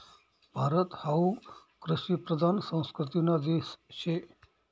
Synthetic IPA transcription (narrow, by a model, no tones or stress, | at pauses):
b̥ʱaɾət̪haukɾɪʃipɾəd̪ʱansə̃w̃skɾɪt̪inad̪est͡ʃʰe